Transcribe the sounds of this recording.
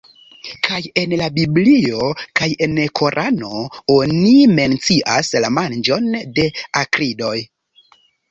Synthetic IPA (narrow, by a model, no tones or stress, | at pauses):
kʰaje̞nlabiblio̞kaje̞nkʰo̞ɾʔano̞o̞nime̞nt͡siʔaslamand͡ʒo̞nde̞akɾido̞j